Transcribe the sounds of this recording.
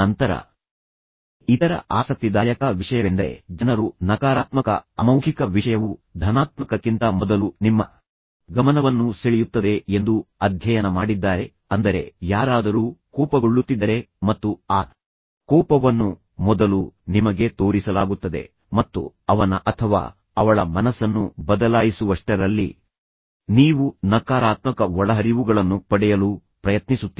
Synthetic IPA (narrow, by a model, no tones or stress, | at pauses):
ɐnt̪ɐɾɐ̰ | it̪ɐɾɐ̰ʔaːsɐk̚t̪id̪ɐjɐkɐʋiʂɐjɐʋend̪ɐḛd͡ʒɐnɐɾunɐkaːɾaːt̪mɐkɐ̰ɐmɐwɡʱikɐʋiʂɐjɐʋud̪ʱɐnaːt̪mɐkɐkːint̪ɐmɔd̪ɐlunimːɐ | ɡɐmɐnɐʋɐnːuseɭijut̪ːɐd̪e̞end̪uɐd̪ʱjɐjɐnɐmaːɽid̪ːaːɾe̞ | ɐnd̪ɐɾe̞̰jaːɾaːd̪ɐɾuːkɔːpɐɡoɭːut̪ːid̪ːɐɾe̞mɐt̪ːuaː | kɔːpɐʋɐnːu | mɔd̪ɐlunimɐɡe̞t̪o̞ːɾisɐla̰ːɡut̪ːɐd̪e̞̰ | mɐt̪ːṵ | ɐʋɐnɐʔɐt̪ʰɐʋa̰ː | ɐʋɐɭɐmɐnɐsɐnːubɐd̪ɐlaːjisuʋɐʂʈɐɾɐlːḭ | niːʋunɐkaːɾaːt̪mɐkɐʋɔɭɐɦɐɾiʋuɡɐɭɐnːupɐɽɛjɐluː | pɾɐjɐt̪nisut̪ːi